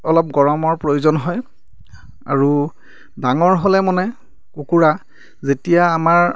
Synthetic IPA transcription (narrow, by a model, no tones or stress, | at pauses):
ɔlɔp̚ɡɔɹɔmɔɹpɹojuzɔnɦɔj | a̰ɹu | daŋɔɹɦolɛmɔnɛ | kukuɹa | zetijaːmaɹ